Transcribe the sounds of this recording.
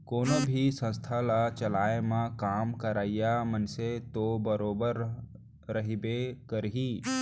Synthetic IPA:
koːnobʱisə̃st̪ʰalat͡ʃɐlaːemãkaːmkəɾaːijamənset̪obəɾoːbəɾ | ɾəɦibekəɾɦiː

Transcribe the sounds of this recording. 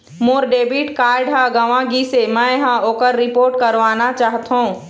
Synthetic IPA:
moːɾɖeːbiːʈkaːɾɖɦaɡɐʋãɡisemɛ̃ɦãoːkəɾːɪpoːɾʈkɐɾʋaːnat͡ʃaːɦt̪ɦũː

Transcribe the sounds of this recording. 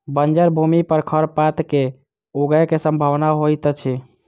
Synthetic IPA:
bənd͡ʒəɾbʱumipəɾkʰəɾpat̪ke | oɡɛkesəmbʱəʋnaɦojt̪t͡ʃʰi

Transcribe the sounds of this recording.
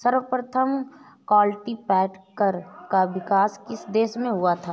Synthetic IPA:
sɐɾʋəpɾət̪ʰəm | kɔːlʈipɛːʈkəɾkaʋɪkaːskɪsd̪eːʃmẽɦuat̪ʰaː

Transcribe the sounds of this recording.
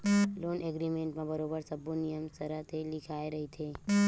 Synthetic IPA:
lonʔeɡɾimeɳʈmãbəɾobəɾsəbunijəmsəɾat̪ʰelikʰajɾəɦit͡ʃʰe

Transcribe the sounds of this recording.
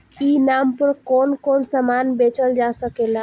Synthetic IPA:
inampəɾkonkonsəmanbet͡ʃəld͡ʒasəkela

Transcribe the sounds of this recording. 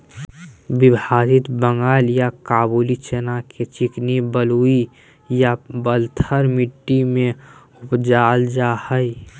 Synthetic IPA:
bɪbʱaːɾɪt̪bə̃ŋɡaːljakaːbuːlit͡ʃenaket͡ʃɪknibəlui | jabəlt̪ʰəɾmɪʈːimẽ | ʊpd͡ʒaːld͡ʒahəi

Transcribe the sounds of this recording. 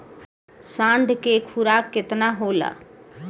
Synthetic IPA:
sãːɳɖʱkekʰuɾakːɪt̪naɦola̰ː

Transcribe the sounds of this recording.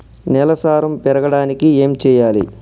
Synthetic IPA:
nɛlɐsaːɾɐmpɛɾɐɡɐɽaːnikieːmt͡ʃɛːjaːlḭ

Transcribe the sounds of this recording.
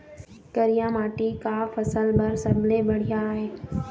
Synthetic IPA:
kɐɾijamaːʈikafɐsəlbɐɾsɐbʱlebɐɽ̤ijaːɦeː

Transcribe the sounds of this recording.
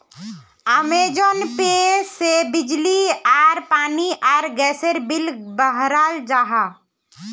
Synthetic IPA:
əmed͡ʒonpesebɪd͡ʒliaːɾpaːniʔɔːɾɡɛːsəɾbɪlbəɦɾaːld͡ʒaːɦaː

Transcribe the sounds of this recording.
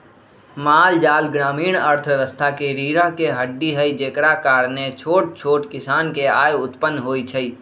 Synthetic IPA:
maːld͡ʒaːlɡɾaːmiːɽ̃əɾt̪ʰʋjəʋəst̪ʰakeɾiːɾakeɦəɖːiɦəid͡ʒeːkɽakaːɾnẽt͡ʃʰoːʈ̚t͡ʃʰoːʈkɪsaːnkeaːjʊt̪pənːɦoːit͡ʃʰəiː

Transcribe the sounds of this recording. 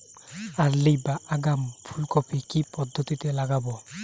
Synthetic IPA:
alːibaʔaɡampʰulkɔpʰikipɔd̪ʱːot̪it̪ɛlaɡabɔ

